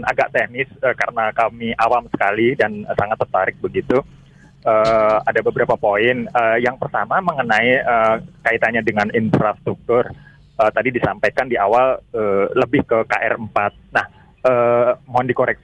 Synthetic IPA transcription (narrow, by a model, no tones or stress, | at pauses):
nʔa̰ɡaʔt̪ɛhnɪsəkaɾənakamiʔawamsə̥kalidansaŋat̪ːərt̪aɾɪk̚bəɡit̪u | əːadabəbəɾapapoɪnəːjaŋpərt̪amaməŋənaiəkait̪aɲadəŋaninfɾast̪ɾuk̚t̪ʊr | ət̪adidisampajkandiʔawaləːləbɪhkəkaʔɛ̰rəmpat̪̚nah | əːmoɦandikoɾɛk̚